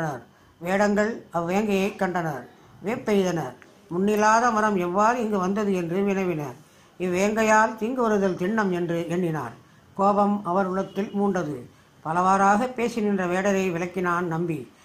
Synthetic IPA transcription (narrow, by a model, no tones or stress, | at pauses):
nɐɾ | ʋeːɽɐŋɡɐɭɐʋʋːeːɐŋɡɐjɐɪkːɐɳɖɐnɐɾ | ʋeːpːɛɾɪðɐnɐɾ | mʊnːɪlaːðɐmɐɾɐmɛʋːaːɾɯɪŋɡɯʋɐnd̪ɐðɯɛndrɯʋɪnɐɪʋɪnɐɾ | ɪʋːeːɐŋɡɐjaːlt̪iːŋɡɯʋɐɾɯðɐlt̪ɪɳːɐmɛndrɯɛɳːɪna̰ːɾ | koːbɐmɐʋɐɾɯɭɐt̪ːɪlmuːɳɖɐðɯ | pɐlɐʋaːɾaːɣɐpːeːsɪnɪndrɐʋeːɽɐɾɐɪʋɪɭɐkːɪnaːnnɐmbi